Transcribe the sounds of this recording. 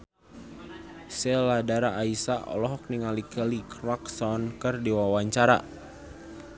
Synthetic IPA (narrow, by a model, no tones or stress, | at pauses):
sɛladaɾaʔːisaʔɔ̰lɔɦɔk̚niŋalikəlikɾaksɔnkɨrdiwawaɲt͡ʃaɾa̰